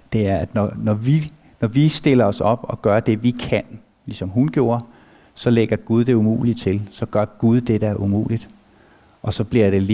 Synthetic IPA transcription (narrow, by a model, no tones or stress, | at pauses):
d̥e̝æɐæd̥nɒnɒʋi | nɒʋisd̥e̝l̰ɐɒ̽sɒ̽b̥ɒ̽ɡ̥ɶːɐd̥e̝ʋikʰæn | lisɒ̽mɦunɡ̥jo̝ːɐ | sɒ̽leɡ̥ɐɡ̥uð̞ˠd̥e̝umṵːlit͡sʰe̝lsɒ̽ɡ̥ɶɐɡ̥uð̞ˠd̥ed̥əæɐʔumṵːlid̥ | ʔɒ̽sɒ̽b̥liɐ̰ɾ̥e̝l